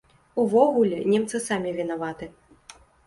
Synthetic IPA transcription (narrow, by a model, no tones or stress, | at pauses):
uvɔɣulʲɛnʲɛmt̪sɨsamʲivʲinavat̪ɨ